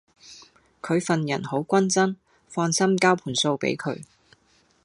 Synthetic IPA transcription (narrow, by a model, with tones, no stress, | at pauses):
kʰɵ˨˧ɥfɐ˨njɐ̰˨˩nho˨˥wkʷɐ˥nt͡sɐ˥n | fɔː˧nsɐ˥mkaː˥wpʰuː˨˩nso˧wpḛ˨˥jkʰɵ̰˨˧ɥ